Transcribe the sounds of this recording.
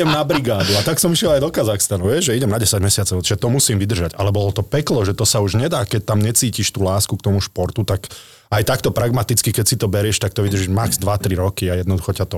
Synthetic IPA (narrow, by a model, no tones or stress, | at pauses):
ɛmnabɾiɡaːd̪uat̪aksɔmiʃjɛlajd̪ɔkazaxst̪anuʋɪɛʒʒɛiɟɛmnaɟɛsaɟmɛsɪat͡sɔʊiʒɛt̪ɔmusiːmʋid̪r̩ʒaɟalɛbɔlɔt̪ɔpɛklɔʒɛt̪ɔsauʒɲɛd̪aːkɛc̚t̪amɲɛt͡siːciʃt̪uːlaːskuk̚t̪ɔmuʃpɔɾt̪ut̪ak | ajt̪akt̪ɔpɾaɡmat̪it͡skikɛcsit̪ɔbɛɾɪɛʃt̪ak̚t̪ɔʋid̪rʒiʒmaɡz̥d̪ʋat̪ɾiɾɔkiajɛd̪nɔd̪uxɔcat̪ɔ